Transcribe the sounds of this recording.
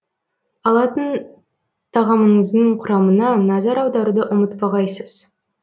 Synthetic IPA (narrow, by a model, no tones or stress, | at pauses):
ɑlˠɑt̪ən | t̪ʰɑʁɑməɴəzd̪əɴqʰʊɾɑmənɑnɑzɑɾɑwd̪ɑɾud̪əʔʊmət̪pɑʁɑjsəz̥